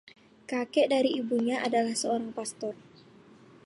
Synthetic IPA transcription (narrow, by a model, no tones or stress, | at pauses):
kakɛʔdaɾiʔibuɲaʔadalahsəoɾaŋpast̪ɔr